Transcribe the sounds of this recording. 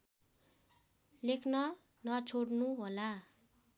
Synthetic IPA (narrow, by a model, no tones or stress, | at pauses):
lekʰnʌ | nʌt͡sʰoɽnuɦola